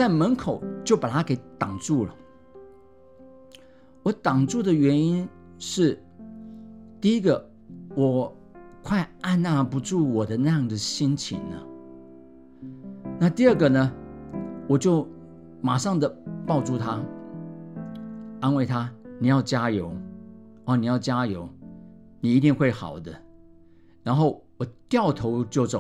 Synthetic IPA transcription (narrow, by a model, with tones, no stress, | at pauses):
t͡sa˥˩ɪmə˧˥nkʰo˨˩˦ʊt͡ɕjo˥˩ʊpa˨˩t̪ʰa˥ke˧˥ɪt̪ɑ˨˩ŋʈ͡ʂu˥˩lə̰˩ | wɔ˧˦t̪ɑ˨˩ŋt͡su˥˩d̪ə˨ɥɛ˧˥ni˥n | ʂɻ̩˥˩ | t̪i˥˩i˥ɡə˨ | wɔ˨˩ | kʰwa˥˧ɪa˥˧nna˥˩pu˧ʈ͡ʂu˥˩wɔ˨˩d̪ə˦na˥˧jɑ˥˩ŋd̪ə˩ɕi˥nt͡ɕʰḭ˨˩nnə̰˧ | na˥˧t̪i˥ə˥˩ɡə˨nə˨ | wɔ˨˩t͡ɕjo˥˩ʊ | ma˨˩ʂɑ˥˩ŋd̪ə˨pɑ˥˧ʊt͡su˥˧t̪ʰa˥ | a˥nwe˥˩ɪt̪ʰa˥ni˨˩jɑ˥˩ʊt͡ɕja˥jo˧˦ʊ | ɔ˥˧ni˨˩jɑ˥˩ʊt͡ɕja˥jo˧˦ʊ | ni˨˩i˧˥t̪i˥˧ŋxwe˥˩ɪxɑ̰˨˩ʊd̪ə˦ | ɻa˧˥nxo˥˩ʊwɔ˨˩t̪jɑ˥˩ʊt̪ʰo˧˥ʊt͡ɕjo˥˩ʊt͡so˨˩